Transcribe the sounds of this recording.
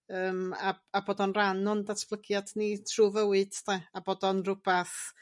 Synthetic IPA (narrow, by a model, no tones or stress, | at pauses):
əːmaaboːdɔnranɔndatʰb̥lˠəɡjadnitʰruvəwɨd̥tɛaboːdɔnrʊb̥ɛθ